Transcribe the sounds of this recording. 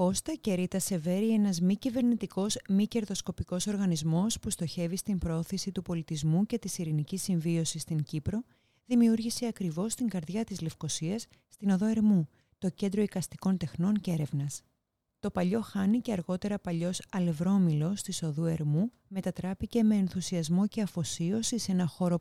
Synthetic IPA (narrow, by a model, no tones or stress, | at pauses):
o̞st̪ɐce̞ɾit̪ɐse̞ve̞ɾie̞nɐzmicive̞ɾnit̪iko̞zmice̞ɾðo̞sko̞piko̞so̞ɾɣɐnizmo̞spust̪o̞çe̞vist̪impɾooθisit̪upo̞lit̪izmuce̞t̪isiɾinicisiɱvio̞sist̪iɲcipɾo̞ | ðimiuɾʝiseɐkɾivo̞st̪iŋɡɐɾðjʝɐt̪izle̞fko̞siɐsːt̪ino̞ðo̞e̞ɾmu | t̪o̞ce̞nd̪ɾo̞ikɐst̪i̥ko̞nt̪e̞xno̞nce̞ɾe̞vnɐs | t̪o̞pɐʎo̞xɐnice̞ɐɾɣo̞t̪e̞ɾɐpɐʎo̞sɐle̞vɾo̞milo̞st̪iso̞ðue̞ɾmu | me̞t̪ɐt̪ɾɐpice̞me̞ːnθusiɐzmo̞ce̞ɐfo̞sio̞sise̞nɐxo̞ɾo̞